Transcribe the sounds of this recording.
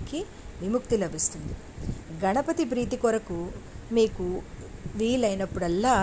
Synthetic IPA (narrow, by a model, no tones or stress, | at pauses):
ki | ʋimukt̪ilɐbist̪und̪i | ɡɐɳɐpɐt̪ip̬ɾiːt̪ikɔɾɐkumiːkuʋiːlɐjnɐpːuɽɛlːaː